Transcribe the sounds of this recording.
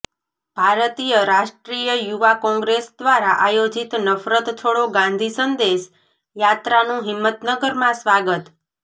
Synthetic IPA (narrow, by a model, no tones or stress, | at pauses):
bʱaɾət̪ijəɾaʃʈɾijəjuʋakɔ̃ŋɡɾesd̪ʋaɾaʔajod͡ʒit̪nəfɾət̪t̪ʰoɽoɡãnd̪ʱisənd̪eʃ | jat̪ɾanũɦɪmːət̪nəɡəɾmãsʋaɡət̪